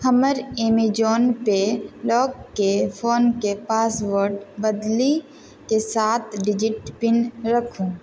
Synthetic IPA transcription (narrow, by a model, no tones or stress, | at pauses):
həməɾeːmid͡ʒoːnpelɔːɡːefʰoːnkepaːsʋoɾɖbəd̪li | kesaːt̪ʰɖɪd͡ʒɪʈpɪnɾəkʰũː